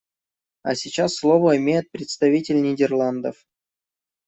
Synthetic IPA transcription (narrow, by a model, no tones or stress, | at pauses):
a̰sʲɪt͡ɕasːlˠovəɪmʲejɪt̪̚pɾʲɪt̪st̪ɐvʲitʲɪlʲnʲɪdʲɪrlˠand̪ə̰f